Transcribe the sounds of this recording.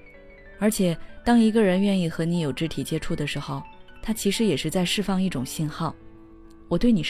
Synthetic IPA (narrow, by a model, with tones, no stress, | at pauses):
ə˞˧˥t͡ɕʰjɛ˨˩t̪ɑ˥ŋi˧˥ɡə˧ɻə˧˥nɥɛ˥˧ni˥˩xɤ˧˥ni˧˥jo˨˩ʊʈ͡ʂɻ̩˥t̪ʰi˨˩t͡ɕjɛ˥ʈ͡ʂʰu˥˩d̪ə˩ʂɻ̩˧˥xo˧ʊt̪ʰa˥t͡ɕʰi˧˥ʂɻ̩˧˥jɛ˨˩ʂɻ̩˥˧t͡sa˥˧ɪʂɻ̩˥˧fɑ˥˧ŋi˥˩ʈ͡ʂʊ˨˩ŋɕi˥˧nxɑ˥˩ʊ | wɔ˨˩t̪we˥˩ɪni˨˩